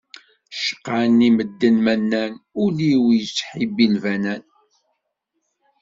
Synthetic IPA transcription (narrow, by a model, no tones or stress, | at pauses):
ʃə̥qːaniməd̪ːənmænːænʊliwjət͡sːħibilvænæn